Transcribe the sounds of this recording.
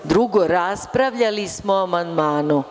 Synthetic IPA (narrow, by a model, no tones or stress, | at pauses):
d̪ɾuɡoɾaspɾaʋʎalismoamand̪maːnu